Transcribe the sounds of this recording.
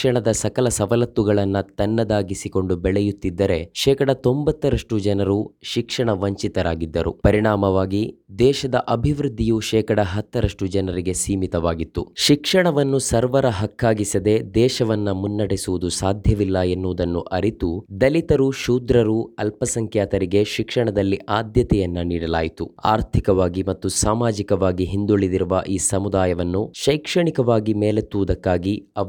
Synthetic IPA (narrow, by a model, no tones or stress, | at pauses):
ɐɳɐd̪ɐsɐkɐlɐsɐʋɐlɐt̪ːuɡɐɭɐnːɐt̪ɐnːɐd̪aːɡisiko̞ɳɖubɛɭɛjut̪ːid̪ːɐɾe̞ʃɛːkɐɽɐt̪o̞mbɐt̪ːɐɾɐʂʈud͡ʒɐnɐɾuʃikʂɐɳɐʋɐɲt͡ʃit̪ɐɾaːɡid̪ːɐɾṵpɐɾiɳaːmɐʋaːɡid̪ɛːʃɐd̪ɐʔɐbʱiʋɾud̪ʱːijuʃɛːkɐɽɐɦɐt̪ːɐɾɐʂʈud͡ʒɐnɐɾiɡe̞siːmit̪ɐʋaːɡit̪ːuʃikʂɐɳɐʋɐnːusɐɾʋɐɾɐɦɐkːaːɡisɐd̪e̞d̪ɛːʃɐʋɐnːɐmunːɐɽɛsuʋud̪usaːd̪ʱjɐʋilːɐenːuːd̪ɐnːṵʔɐɾit̪ud̪ɐlit̪ɐɾuʃuːd̪ɾɐɾuɐlpɐsɐŋkʰjaːt̪ɐɾiɡe̞ʃikʂɐɳɐd̪ɐlːiʔaːd̪jɐt̪ɛjɐnːɐniːɽɐla̰ːjit̪ua̰ːɾt̪ʰikɐʋaːɡimɐt̪ːusaːmaːd͡ʒikɐʋaːɡiɦind̪uɭːid̪iɾuʋɐ̰ʔiːsɐmud̪aːjɐʋɐnːuʃɐjkʂɐɳikɐʋaːɡimeːlet̪ːuʋud̪ɐkːaːɡiɐ